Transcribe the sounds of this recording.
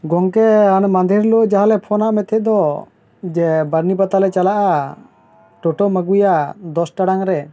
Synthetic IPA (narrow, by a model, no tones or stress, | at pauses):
ɡɔŋkɛanmand̪ʱiɾloʔd͡ʒaɦalɛpʰɔnaʔmɛt̪ʰɛʔ̚d̪ɔ | d͡ʒɛbaɾnipat̪alɛt͡ʃalaʔa | ʈɔʈɔməɡujad̪ɔsʈaɽaŋɾɛ